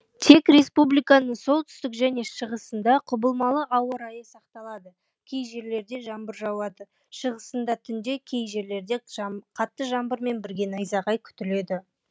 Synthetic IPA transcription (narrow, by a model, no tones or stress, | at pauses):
t̪ʰe̞kɾʲe̞spublijkɑnəɴso̞lˠt̪ʰʏ̥st̪ɪkʒæne̞ʃəʁəsənd̪ɑqʰʊbəlˠmɑlˠəʔɑwəɾɑjəsɑqt̪ɑlˠɑd̪ə | kʲʰe̞jʒe̞ɾle̞ɾd̪e̞ʒɑmbəɾʒɑwɑd̪ə | ʃəʁəsənd̪ɑt̪ʰʏnd̪e̞kʲʰe̞jʒe̞ɾle̞ɾd̪e̞qʰɑt̪ːəʒɑmbəɾme̞nbɪɾɡʲe̞nɑjzɑʁɑjkʲʰʏ̥t̪ɪle̞d̪ɪ